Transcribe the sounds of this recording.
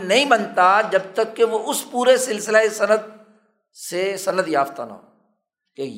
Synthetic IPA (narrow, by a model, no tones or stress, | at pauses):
nɐɦĩbɐnt̪ad͡ʒɐb̚t̪əkːeʋoʔʊspuːɾesɪlsɪlesɐnəd̪̚ | sesɐnəd̪jaːft̪a̰na̰ː | ke